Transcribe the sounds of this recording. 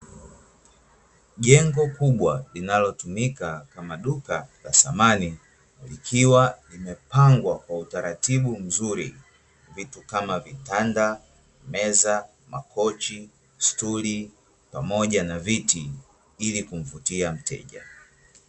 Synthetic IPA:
ʄɛŋɡɔkuɓwalinalɔtumikakamaɗukala̰samani | likʰiwalimɛpaŋɡwakwautaɾatiɓum̩zuɾḭ | vitukamavitanda | mɛza | makʰɔt͡ʃi | stuli | pamɔʄanaviti | ilikuɱ̩vutiam̩tʰɛ̰ʄa̰

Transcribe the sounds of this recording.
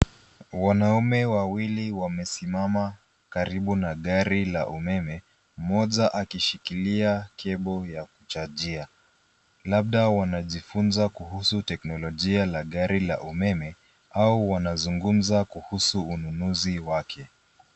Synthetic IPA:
wanaumɛwawiliwamɛsimama | kaɾiɓunaɠaɾila̰ʔumɛmɛ | m̩mɔʄaʔakiʃikiliakʰɛɓɔjakut͡ʃad͡ʒia | laɓ̚ɗawanaʄifunzakuhusutɛknɔlɔʄialaɠaɾila̰ʔumɛmɛ | auwanazuŋɡum̩zakuhusuːnunuziwakʰɛ

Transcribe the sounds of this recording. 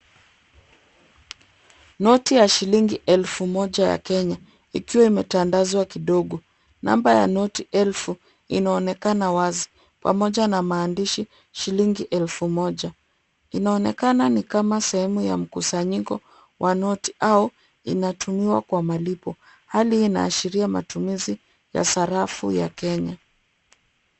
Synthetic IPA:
nɔtijaʃiliŋɡiʔɛlfumɔʄaja̰kɛɲa | ikiwaimɛtandazwakiɗɔɠɔ | na̰mbaja̰nɔtiʔɛlfu | inaɔnɛkanawazi | pa̰mɔʄanamaːndiʃi | ʃiliŋɡiʔɛlfumɔʄa | inaɔnɛkananikamasɛhɛmuja̰m̩kusaɲikɔ | wʔanɔti̥ʔaɔ | ḭnatʰumiwa̰kwamalipɔ | haliːna̰ːʃiɾiama̰tumizi | ja̰saɾafṵja̰kɛɲa

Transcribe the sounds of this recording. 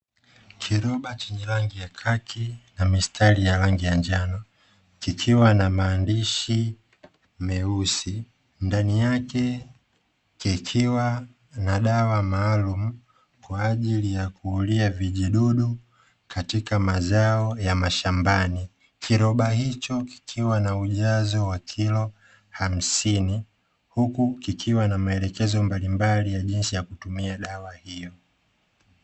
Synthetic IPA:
kʰiɾɔɓat͡ʃɛɲɛlaŋɡijakʰakinamistʰalijalaŋɡijaɲd͡ʒanɔ | kikʰiwanamaːndiʃi | mɛusi | ndanijakɛ | kikʰiwa | naɗawamaːlumu | kwaːʄilijakuːliaviʄiɗuɗu | katikamazaɔjamaʃambani | kʰiɾɔɓahit͡ʃɔki̥kʰiwanauʄazɔwakʰilɔ | ham̩sini | hukukikʰiwanamaɛlɛkɛzɔmbalimbalijaʄinsijakutumiaɗawahijɔ

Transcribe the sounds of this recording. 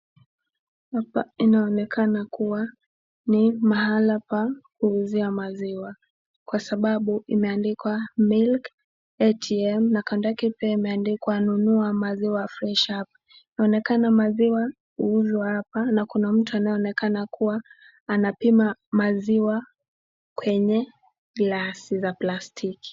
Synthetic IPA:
hapa̰inaɔnɛkʰanakuwa | nimahalapahuːziamaziwa | kwasaɓaɓuimɛandikwamilk | ɛtʰiɛmnakandakipɛimɛandikwanunuamaziwajaflɛʃap | inaɔnɛkanamaziwa | huuzwahapanakunam̩tuanajɛɔnɛkanakuwaː | napimamaziwa | kwɛɲɛ | ɡlasizaplastʰiki̥

